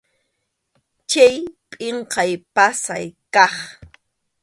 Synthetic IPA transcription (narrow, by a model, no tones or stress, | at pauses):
t͡ʃajpʼɪɴqɑjpasa̰jkɑχ